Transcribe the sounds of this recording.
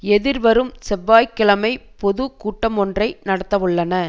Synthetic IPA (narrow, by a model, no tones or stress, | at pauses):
ɛðɪɾʋɐɾɯmsɛbːaːjkːɪɭɐmɐɪpɔðɯkuːʈːɐmɔndrɐɪnɐɽɐt̪ːɐʋɯɭːɐnɐ